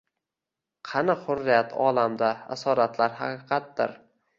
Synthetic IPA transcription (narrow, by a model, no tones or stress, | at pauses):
qʰɑnɨqhʊɾːɪjat̪ʰɒlamd̪aa̰sɒɾat̪ʰlaɾɦɑ̰qɨqʰɑt̪̚d̪ɪɾ